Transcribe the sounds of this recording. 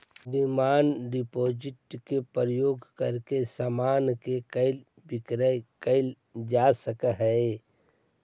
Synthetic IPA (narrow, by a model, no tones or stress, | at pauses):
ɖimaːnɖɪpoːd͡ʒɪʈkepəɾəjoːɡkəɾkesaːmaːnkekəɪl | bɪkɾəkəɪl | d͡ʒaːsəkəɦɛe